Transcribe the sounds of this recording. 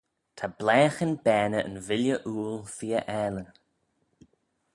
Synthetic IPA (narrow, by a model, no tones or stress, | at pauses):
t̪ʰablɛːxənbɛːnəʔə̰nvɪljəʔuːlθiːəʔɛːlə